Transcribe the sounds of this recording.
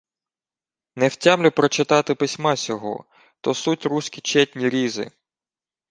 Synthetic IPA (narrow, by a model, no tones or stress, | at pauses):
nɛwtʲamlʲʊpɾɔt͡ʃɪt̪ɑt̪ɪpɪsʲmɑsʲɔɦɔ̰ | t̪ɔsutʲɾusʲkʲit͡ʃɛtʲnʲiɾʲizɪ̰